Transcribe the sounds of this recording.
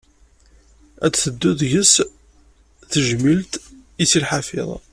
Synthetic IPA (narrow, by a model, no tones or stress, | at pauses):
æ̰t͡sːθəd̪ːuðʝəs | θəʒmilt̪isilħafɪ̰ðˤ